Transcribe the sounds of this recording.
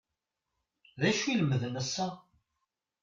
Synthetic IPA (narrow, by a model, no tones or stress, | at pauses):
ðæʃuiləməðnəsːæ